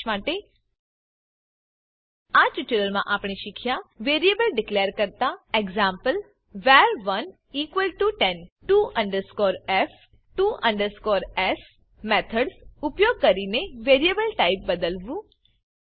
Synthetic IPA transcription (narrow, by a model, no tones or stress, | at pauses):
mãːʈe | at͡ʃɪʈəɾəlmã̰ʔaːpɳiʃɪkʰjaʋeːɾijebəlɖɪkleːəɾkəɾt̪aeɡzãːmpəl | ʋɛɾʋən | iːkʋəlʈuʈɛnʈuːʔə̃ɳɖəɾskoːɾɛf | ʈuːʔə̃ɳɖəɾskoːɾɛs | mɛt̪ʰəɖsʊpjoːɡ̚kəɾineʋeːɾiebəlʈaːɪp̚bəd̪əlʋũ